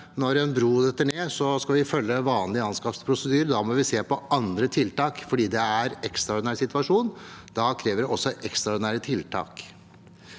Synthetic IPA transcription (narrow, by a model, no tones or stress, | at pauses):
nɔɾɛnbɾuːd̪ɛt̪ːəɳeːsɔskɑʋɪfœlːəʋɑːnlɪɑnskɑpspʰɾʊsəd̪yːɾəd̪ɑmɔʋɪseːpɔɑnd̪ɾət̪ʰɪlt̪ɑːkfɔɖiːd̪ɛæɾɛkst̪ɾɑɔɖɪnæːɾsɪt̪ʋɑʂuːnd̪̥ɑkʰɾeːʋəɖɛɔsːɔʔɛkst̪ɾɑɔɖɪnæːɾət̪ʰɪlt̪ʰɑ̰ːk